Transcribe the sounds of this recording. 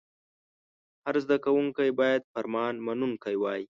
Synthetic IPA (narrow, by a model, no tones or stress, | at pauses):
haɾzd̪akawuŋkajbɑːjad̪faɾmɑːnmanuŋkajwɑːji